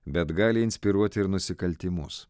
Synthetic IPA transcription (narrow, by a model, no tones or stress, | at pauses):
bʲɛt̪ɡɑːlʲɪɪnʲsʲpʲɪɾuɔt̪ʲɪɾnʊsʲɪkɐlʲt̪ʲɪmʊs